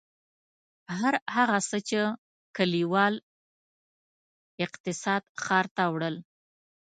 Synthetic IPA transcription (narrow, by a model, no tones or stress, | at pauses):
ɦaɾhaɣasət͡ʃe | kaliwɑl | ɪqt̪ɪsɑd̪xɑɾt̪awɽəl